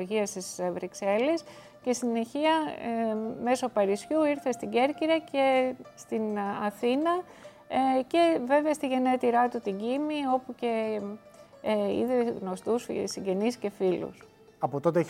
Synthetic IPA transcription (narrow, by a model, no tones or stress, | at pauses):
ʝiɐst̪isvɾikse̞les | ce̞st̪ine̞çiɐ | me̞so̞pɐɾisçuiɾθest̪iɟe̞ɾciɾɐce̞st̪inɐθinɐ | ce̞ve̞veɐst̪iʝe̞net̪iɾɐt̪ut̪iɟimio̞puce̞ | ḭðiɣno̞st̪usfsiɟe̞nisce̞filṵs | ɐpot̪o̞t̪ee